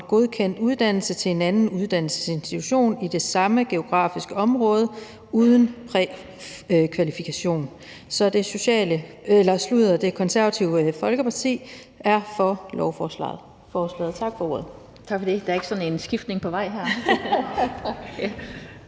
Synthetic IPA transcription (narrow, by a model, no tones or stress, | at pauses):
ɡ̥o̝ð̞ˠkʰen̰d̥uð̞ˠd̥æn̰l̩sət͡sʰe̝le̝nænn̩uð̞ˠd̥æn̰l̩sə̥se̝nsd̥i̥t͡sʰuɕo̝̰ːnid̥e̝sɑ̈məɡ̥e̝o̝ɡ̥ʁɑ̰̈ːfisɡ̥əɒ̽mʁɔ̽ːð̞ˠə | uð̞ˠən̩pʰʁɛ | kʰʋælifikʰæɕo̝̰ːn | sɒ̽d̥e̝so̝ɕɛ̰ːləelɐsluðˠɐd̥e̝kʰɒ̽nsæɐʋæt͡sʰiʊfɒ̽lɡ̥əpʰɑ̈t͡sʰḭː | æɐfɒ̽lɒʊfɒːslɛ̰ð̩ˠ | fɒːslɛ̰ːðˠt͡sʰɑ̈ɡ̥fɒ̽o̝ɐð̩ˠ | t͡sʰɑ̈ɡ̥fɒd̥e̝d̥ɑɐeɡ̥sɒ̽ne̝nsɡ̥ifd̥ne̝ŋpʰɒ̽ʋɑ̈ɪ̰ɦæɐ̰